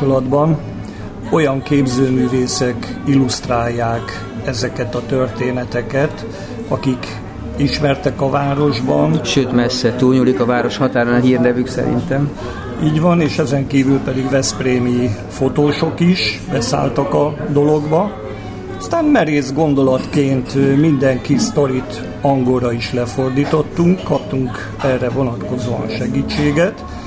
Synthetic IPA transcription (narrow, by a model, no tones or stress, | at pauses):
olɒd̪bɒn | o̞jɒŋkeːbzøːmyːveːsɛkilust̪raːjːaːk | ɛzɛkɛt̪ɒt̪ø̞rt̪eːnɛt̪ɛkɛt̪ | ɒkik | iʃmɛrt̪ɛkɒvaːɾo̞ʒbɒnʃøːt̪mɛsːɛt̪uːlɲulikɒvaːɾo̞ʃhɒt̪aːɾɔnɒɦiːrnɛvyksɛ̰ɾḭnt̪ɛm | iːɟʋɒneːʃɛzɛŋkiːvylpɛd̪iɡvɛspreːmi | fo̞t̪oːʃo̞kiʃbɛsa̰ːlt̪ɒkɒd̪o̞lo̞ɡbɒ | ɒst̪aːnmɛɾeːzɡo̞nd̪o̞lɒt̪keːnt̪mind̪ɛŋkist̪o̞ɾit̪ | ɒŋɡo̞lɾɒiʃlɛfo̞rd̪iːt̪o̞t̪ːuŋkːɒpt̪uŋk | ɛːrɛvo̞nɒt̪ko̞zoːɒ̰nʃɛɡiːt͡ʃːeːɡɛt̪